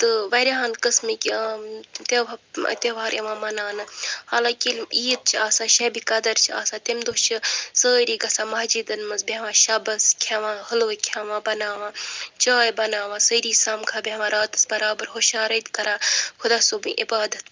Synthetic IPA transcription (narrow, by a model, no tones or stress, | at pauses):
t̪ɨʋɐɾiɦãːnkɨsmikʲː | t̪eʋa̰t̪eʋaːɾeʋãːmɐnaːnɨhaːlãːkilmiːt̪̚t͡ʃʰiaːsaːʃɐbikɐd̪ɐɾt͡ʃʰia̰ːsaːt̪emd̪oːt͡ʃʰisəːɾiːɡɐsaːmɐɦd͡ʒiːd̪ɐnmɐsbeʋãːʃabɐskʲʰɐʋãːhɐloːkʲʰaʋãːbɐnaːʋãːt͡ʃaːjbɐnaːʋãːsəɾiːsaːmkʰaːbʲeʋãɾaːt̪ɨ̥sbɐɾaːbɐɾɦoʃaːɾɐt̪kɐɾaːxʰʊd̪aːsoːbɨ̃ʔḭbaːd̪ɐt̪̚